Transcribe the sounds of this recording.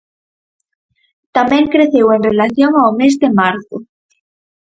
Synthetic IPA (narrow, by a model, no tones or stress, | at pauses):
t̪amẽŋkɾeθewenrelaθjoŋawmezðemaɾθo